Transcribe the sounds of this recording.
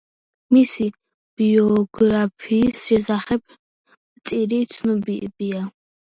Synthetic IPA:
misi | b̥iɔɡɾapʰiːsʒizaχɛp̚ʰ | t͡sʼiɾit͡sʰnubiʔbija

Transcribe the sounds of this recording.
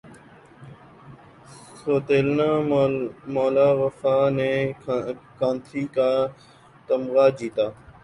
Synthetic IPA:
soːt̪eːlnaː | moːlaːʋəfaːnẽː | kãːnt̪ʰɾiːkaː | t̪əmɣaːd͡ʒiːt̪aː

